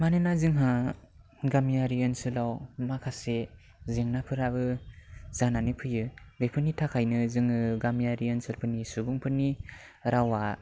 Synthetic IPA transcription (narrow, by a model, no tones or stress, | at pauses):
manɯnazɯŋɦa | ɡamijaɾiɯnsɯlawmakʰase | zeŋnapʰɯɾabɯzananɯpʰɯjɯbepʰɯnitʰakʰajnɯzɯŋɯɡamijaɾiɯnsɯlpʰɯnisubuŋpʰɯnːi | ɾawa